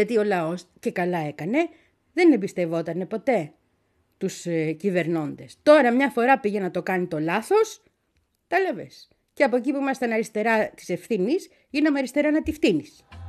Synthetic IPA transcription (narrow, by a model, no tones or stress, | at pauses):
ɐt̪io̞lɐo̞sce̞kɐlɐe̞kɐne̞ | ðe̞nebist̪e̞vo̞t̪ɐne̞po̞t̪e̞ | t̪uscive̞ɾno̞nd̪e̞st̪o̞ɾɐmɲɐfo̞ɾɐpiʝe̞nɐt̪o̞kɐnit̪o̞lɐθo̞s | t̪ɐlɐvḛs | ceɐpo̞ec̬ipuimɐst̪ɐnɐɾist̪e̞ɾɐt̪i̥se̞fθinis | ʝinɐmeɐɾist̪e̞ɾɐnɐt̪ifθinis